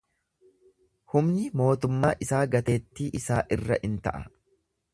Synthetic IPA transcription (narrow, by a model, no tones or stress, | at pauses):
hʊmnɪmo̞ːt̪ʊmːaːʔɪsaːɡɐt̪e̞ːt̪ːiːʔɪsaːʔɪrːɐ̰ʔɪnt̪ɐ̰ʔɐ